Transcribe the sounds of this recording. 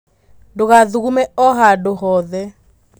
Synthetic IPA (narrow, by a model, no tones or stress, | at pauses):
doɣaðuɣumɛɔɦadohɔðɛ